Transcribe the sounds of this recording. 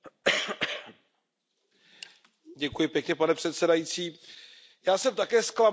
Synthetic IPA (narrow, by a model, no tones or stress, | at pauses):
ɟɛkujɪpjɛkɲɛpanɛpr̝̥ɛt̪sɛdajit͡siː | jaːsɛmt̪akɛːskla